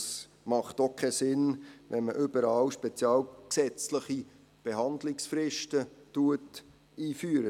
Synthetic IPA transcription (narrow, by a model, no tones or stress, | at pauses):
s | mɑχtokʰɛsɪnʋɛnməʔʏbəɾɑːwʃpɛt͡sjɑːlksɛt͡sləχi | b̥eɦɑndlɪksfɾɪʃtətuət | iːfyːəɾə